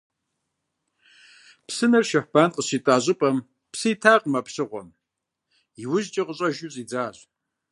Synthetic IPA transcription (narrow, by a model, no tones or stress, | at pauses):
psɨnɐrʃɐħb̥aːnqəɕitʼaːʑʼɪpʼɐm | psɨjtʰaːqmapɕɨʁʷɔ̰m | iwʊʑt͡ʃʼɐqəɕʼɐʒɪɕʼid͡zaːʑ